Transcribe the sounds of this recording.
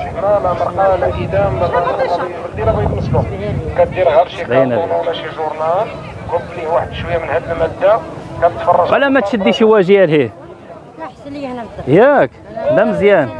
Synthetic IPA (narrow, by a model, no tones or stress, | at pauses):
lælæməɾˤqɑld̪id̪æmɑlibəld̪ilæbid̪məslukæt̪̚d̪iɾɣæɾʃid̪ænænæwlæʃiʒuɾnæl | kʊblihuwaħəd̪ʃwəjːæmənhæd̪əlmæd̪ːækæbət̪fɑrˤːɑʒælæmæt̪ʃəd̪ːiʃiwæʒiælhi | jækd̪æməzjæn